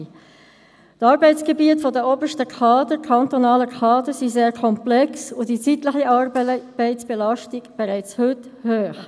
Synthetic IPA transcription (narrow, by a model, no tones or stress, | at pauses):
tɑːɾbɛɪt͡sɡ̥ebiətfɔdəɔbəʃtəkʰɑːdəɾkʰɑntɔnɑːləkʰɑːdəsiseːɾkʰɔmplɛksʊdit͡sitləχiʔɑɾbb̥æɪtsb̥elɑʃtiɡ̥b̥ɛɾæɪt͡shʏthøːχ